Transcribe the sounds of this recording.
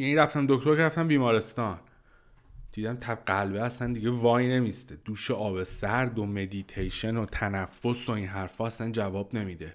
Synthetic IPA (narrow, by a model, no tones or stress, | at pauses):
jæniɾæft̪æmd̪o̞kʰt̪o̞ɾkʰʲeɾæft̪æmbiːmɒːɾe̞st̪ɒːn | d̪̥iːd̪æmt̪ʰæbɢælbeæsænd̪iɟe̞vɒːjne̞mist̪ed̪̥uːʃeʔɒːbe̞sæɾd̪ome̞d̪it̪ʰejʃe̞not̪ʰænæfːo̞soinɦæɾfɒːæsænd͡ʒævɒːbne̞miːd̪e